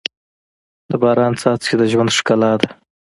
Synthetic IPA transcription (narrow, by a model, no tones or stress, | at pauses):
d̪əbɑːɾɑnt͡sɑt͡sed̪əʒwand̪ʂkalɑd̪a